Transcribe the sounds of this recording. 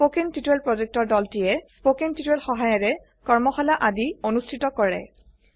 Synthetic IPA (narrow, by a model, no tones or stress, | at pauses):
spokintitɛlpɹɔzek̚tɔɹdɔltijɛspokintitɛlxɔɦajɔɹɛ | kɔɹmɔxɔlaʔadionustʰitɔkɔɹɛ̰